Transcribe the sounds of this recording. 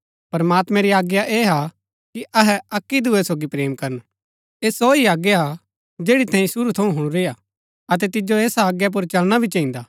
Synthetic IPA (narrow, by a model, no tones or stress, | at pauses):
pɐɾmaːt̪mɛ̃ɾiaːɡjaʔeːɦa | kiʔɐɦɛɐkːid̪uɛsoːɡipɾeːmkɐɾən | eːsoːiaːɡjaa | d͡ʒeːɽit̪ʰɛ̃ːĩsʊɾut̪ʰɐũɦʊɽ̃ũɾeːja | ɐt̪̬ɛt̪ɪd͡ʒoeːsaːɡjap̬ʊɾt͡ʃɐlɽ̃abʱit͡ʃɐĩnd̪aː